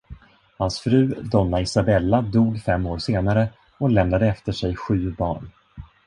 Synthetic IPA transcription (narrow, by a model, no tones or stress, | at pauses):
hansfɾʉ̟ːd̪ɔnːaɪsabɛlːad̪uːɡfɛmːoːɾseːnaɾə | ɔlɛmnad̪əɛft̪əʂɛjɧʉ̟ːbɑːɳ